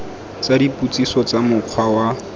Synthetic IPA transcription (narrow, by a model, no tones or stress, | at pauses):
t͡sadiput͡sisɔt͡samʊq͡χʰwawa